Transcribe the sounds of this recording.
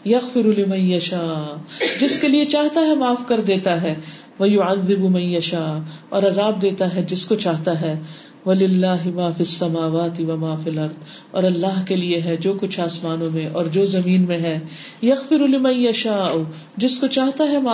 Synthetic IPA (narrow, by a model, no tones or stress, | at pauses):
jɐɣfɪɾulɪmɐ̃njɐʃaːd͡ʒɪskeliet͡ʃaːɦt̪aɦɛmaːfkɐɾd̪eːt̪aɦɛ | ʋɐjʊʕɐðːɪbumɐ̃njɐʃaːɔːɾɐzaːb̚d̪eːt̪aɦɛd͡ʒɪskot͡ʃaːɦt̪aɦɛː | ʋɐlɪlːaːɦɪmaːfiɐsːɐmaːʋaːt̪ɪʋɐmaːfilɐɾd̪ | ɔ̰ːɾɐlːaːɦkelieɦɛd͡ʒoːkʊt͡ʃʰaːsmaːnõmẽʔɔːɾd͡ʒoːzɐmiːnmẽɦɛ̃ː | jɐɣfɪɾulɪmɐ̃njɐʃaːʔʊ | d͡ʒɪskot͡ʃaːɦt̪aɦɛmaː